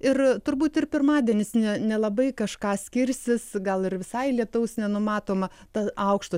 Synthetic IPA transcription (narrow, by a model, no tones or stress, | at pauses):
ɪrt̪ʊɾbuːt̪ɪrpʲɪrmɑːd̪ʲiɛnʲɪsnʲɛnʲɛlˠɐbɐɪkɐʃkɑːsʲkʲɪɾʲsʲɪsɡɐlˠɪrʋʲɪsɐɪlʲiɛt̪ɐʊsnʲɛnʊmɑːt̪oːmɐ | t̪ɐɐʊkʃt̪ʊ